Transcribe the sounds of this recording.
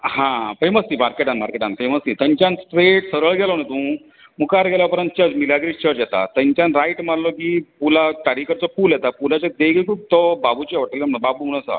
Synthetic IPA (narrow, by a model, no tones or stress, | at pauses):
hãfeməsĩmaɾkeʈanmaɾkeʈanfeməsĩt̪ə̃ɲt͡ɕansʈɾeʈsəɾəɭɡʱɛlɔnet̪ũː | mukaɾɡʱɛlapəɾənt̪̚t͡ɕəd͡zmilaɡɾit͡ɕəɾjɛt̪a̰t̪ə̃ɲt͡ɕjanɾajʈmaɾlɔkiːpulaʈaɽikəɾt͡sɔpuljɛt̪apulat͡ɕad̪eɡekʰuːp̚t̪ɔbabut͡ɕʋəʈilmbabumuñəsa̰